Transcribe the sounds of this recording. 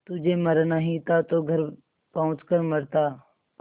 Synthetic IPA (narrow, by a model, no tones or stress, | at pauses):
t̪ʊd͡ʒʱeməɾnaɦĩt̪at̪oːɡʱəɾ | pɐɦʊ̃t͡ʃkəɾməɾt̪aː